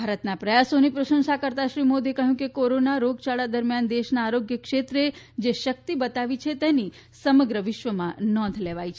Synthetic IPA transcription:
bʱaɾət̪napɾəjasonipɾəʃə̃nʃakəɾt̪aʃɾimod̪ekəɦjũkekoɾonaɾoɡt͡ʃaɭad̪əɾmjand̪eʃnaːɾoɡjəkʃet̪ɾe | d͡ʒeʃək̚t̪ibət̪aʋit͡ʃʰet̪eni | səməɡɾəʋɪʃʋəmãnɔ̃nd̪ʱleʋajt͡ʃʰe

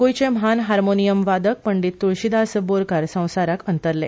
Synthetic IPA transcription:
ɡojt͡ɕẽmɦanɦaɾmonijəmʋad̪ək̚pəɳɖit̪ːuɭɕid̪asəboɾkaɾsə̃w̃saɾakənt̪əɾlḛ

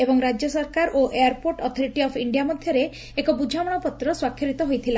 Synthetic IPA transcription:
ebɔŋɾad͡ʒjɔsɔɾkaɾʔoʔejaɾpoɾʈɔt̪ʰɔɾiʈiɔpʰiɳɖijamɔd̪ʱjɔɾeː | kɔbud͡ʒʱamɔɽ̃ɔpɔt̪ːɾɔswakʰːɔɾit̪ɔɦojt̪ʰila

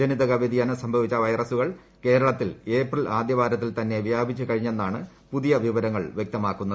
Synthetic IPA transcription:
d͡ʑɐniðɐɣɐʋed̪ijaːnɨsɐmbʱɐʋit͡ɕːɐʋɐjrɐsuɣɐɭ | ke̞ːɾɐɭɐt̪ːile̞ːprɐlaːd̪jɐʋaːɾɐt̪̬ːilt̪ɐnːe̞ʋijaːbʱit͡ɕːukɐɻiɲːe̞nːaːɳɨ | puðijɐʋiʋɐɾɐŋːɐɭʋjek̚t̪ɐmaːkːunːɐðɨ

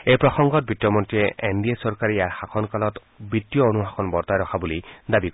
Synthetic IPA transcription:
ejpɹɔxɔŋɡɔt̚bitːɔmɔntiɛʔendiesɔɹkaɹijaɹxakʰɔnkalɔt | bɹitːijɔonuɦakʰɔnbɔɹtajɹɔxʰabulidabik

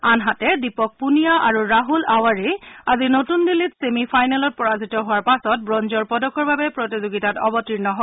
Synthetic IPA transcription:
anɦatɛdipɔk̚punijaʔa̰ɹuɹaɦulawaɹiazinotundilitsemipʰajnalɔt̚pɔɹazitɔɦʊaɹpasɔt̚bɹɔnzɔɹpɔdɔkɔɹbabɛpɹotizuɡitatɔbɔtɹiɹnɔɦɔ

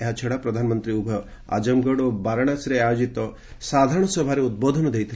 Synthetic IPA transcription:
eɦat͡ʃʰeɽapɾɔd̪ʱanɔmɔnt̪ɾiubʱɔ | a̰d͡ʒɔmɡɔɽobaɾaɽ̃asɾead͡ʒit̪ɔ | sad̪ʱaɾɔɽ̃ɔsɔbʱaɾeud̪̚bod̪ʱɔnɔd̪ejt̪ʰi

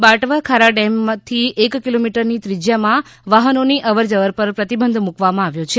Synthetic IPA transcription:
baʈʋakʰaɾaɖɛmt̪ʰiekkilomiʈəɾnit̪ɾid͡ʒjamãʋaɦənoniʔəʋəɾd͡ʒəʋəɾpəɾpɾət̪ibənd̪ʱmukʋamãaʋjot͡ʃʰe

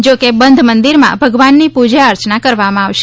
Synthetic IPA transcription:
d͡ʒokebənd̪ʱmənd̪iɾmã̰bʱəɡʋanːipud͡ʒaəɾt͡ʃnakəɾʋamãaʋʃ

